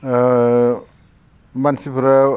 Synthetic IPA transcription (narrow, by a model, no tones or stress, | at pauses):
mansipʰuɾa